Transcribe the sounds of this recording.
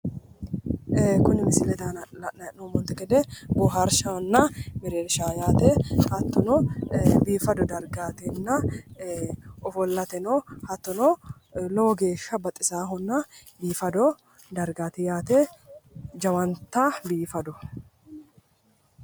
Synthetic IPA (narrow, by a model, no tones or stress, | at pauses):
kʊnɪmɪsɪlɛt̪aːnɐlɐʔnɐɛʔnomɔnt̪ɛɡɛd̪ɛbɔɦɐɾʃɐhɔnːɐmɪɾeːɾʃaːjaːt̪ehɐt̪ːɔnɔbiːfɐd̪ɔd̪ɐɾɡaːt̪ɛnːɐ | ɔfɔlːɐt̪ɛnohɐt̪ːɔnɔ | loɡeːʃːɐbɐt̪ʼːɪsaːɦɔnːɐbiːfɐd̪ɔ | d̪ɐɾɡaːt̪ɪjaːt̪e | d͡ʒɐwɐnt̪ːabiːfɐd̪ɔ